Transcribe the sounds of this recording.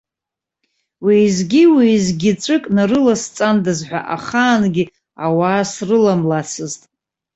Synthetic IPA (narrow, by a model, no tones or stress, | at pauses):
wiːzɡʲiwiːzɡʲɪt͡ʃʷʼɨkʼnaɾɨlast͡sʼandɨzħʷᶣa̰ʔa̰χaːnɡʲi | awaːsrɨlamlat͡sʰɨztʼ